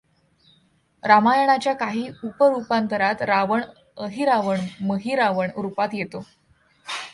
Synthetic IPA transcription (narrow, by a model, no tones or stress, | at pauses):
ɾamajəɳ̃at͡ɕjakaɦiːupəɾupant̪əɾat̪ɾaʋəɳ | əɦiːɾaʋəɳməɦiːɾaʋəɳɾupat̪jet̪o